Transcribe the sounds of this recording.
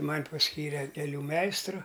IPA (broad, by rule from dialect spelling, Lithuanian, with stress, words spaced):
ˈmɐnʲ pɐsʲˈkʲiːrʲɛ kʲɛˈlʲuː ˈmʲɛɪstrʊ